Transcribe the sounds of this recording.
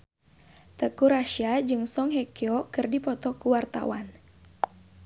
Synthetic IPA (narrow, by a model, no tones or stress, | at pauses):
t̪əkuɾaʃiad͡ʒɨŋsɔŋɦɛkiɔkɨrdipɔt̪ɔkuwart̪a̰wa̰n